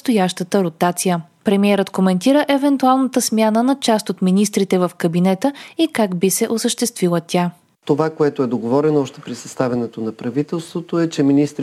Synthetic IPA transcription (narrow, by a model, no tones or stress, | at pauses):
st̪ojaʃt̪ət̪əɾot̪at̪sijə | pɾɛmiɛɾət̪komɛnt̪iɾəʔɛvɛnt̪ualˠnət̪əsmʲjanənɐt͡ʃast̪ot̪minis̬t̪ɾit̪ɛvəfkɐbinɛt̪əikaɡbisɛʔosəʃt̪ɛst̪vilˠət̪ʲa | t̪ovakoɛt̪oɛd̪oɡovɔɾɛnoɔʃt̪ɛ̥pɾisɐst̪avɛnɛt̪onɐpɾɐvit̪ɛlˠst̪vot̪oɛt͡ʃɛminist̪ɾ